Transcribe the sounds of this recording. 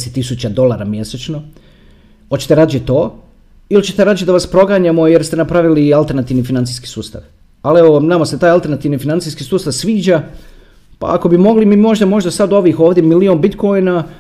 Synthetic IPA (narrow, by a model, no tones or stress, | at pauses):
set̪ːisut͡ɕad̪o̞lˠaɾamjeset͡ʃno̞ | hot͡ɕe̥t̪eɾaːd̪t͡ʃet̪o̞ː | ilit͡ɕet̪eɾaːd̪t͡ʃed̪aʋaspɾo̞ɡaɲamo̞jeɾst̪enapɾaʋilialˠt̪e̞ɾnat̪iʋnifinant̪siski̥suːst̪a̰ʋ | aleʋonamaset̪aːjalˠt̪e̞ɾnat̪iʋnifinant̪siskisuːst̪aʋsʋiːd͡ʑa | pa̰ako̞bimo̞ɡlimimo̞ʒd̪amo̞ʒd̪asad̪o̞ʋiːxoːʋd̪ʲjemilio̞ːnbit̪kojna